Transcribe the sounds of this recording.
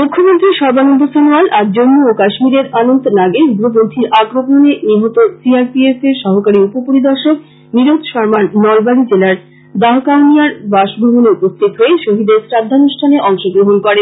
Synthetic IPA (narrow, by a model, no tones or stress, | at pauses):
mukʰːomõnt̪ɾiʃɔɾbanond̪osenoalaɾd͡ʑonːuokaʃmiɾeɾanont̪onaɡeuɡɾobont̪ʰiɾaɡɾoponeniɦot̪osiaɾpiefeɾʃɔɦokaɾiupopoɾid̪ɔɾʃok | niɾod̪ʃɔɾmannɔlbaɽid͡ʑelaɾ | d̪aɦokaonijaɾbaʃbʱomoneupost̪ʰit̪ɦoeʃoɦid̪eɾsɾad̪ʱːanuʃʈʰaneʔɔŋʃoɡɾoɦonkɔɾen